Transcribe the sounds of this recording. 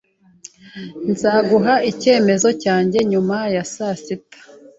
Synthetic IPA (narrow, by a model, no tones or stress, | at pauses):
nzaːɡuɦaice̞ːme̞zo̞caːɲɟe̞ɲumajasasitḁ